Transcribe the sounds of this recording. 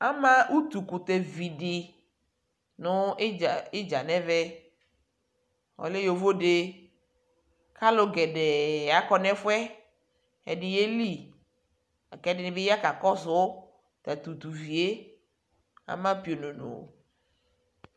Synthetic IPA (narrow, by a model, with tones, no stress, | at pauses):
a˦mã˦ʔu˦t̪u˨ku˨t̪e˨vi˨ɖɪ˨ | nʊ̃˨˦˨ɪ˦d͡ʒa˨nɛ̃˦vɛ˦ | wɔ̰˨le˦jo˨vo˦ɖe˦ | ka˦lo˦ɡɛ˨ɖɛ˨a˨kɔ˦nɛ̃˦fʊ˦ɛ˦ | ɛ˨ɖɪ˨je˦li˦˨ | a˨kɛ˨˦dɪ˦nɪ̃˦be˦ja˦ka˨kɔ˦sʊ˨˦ | t̪a˨t̪u˨t̪u˨vi˨e˦ | a̰˨mã˦pi˨o˨nʊ̃˨nʊ̰̃˨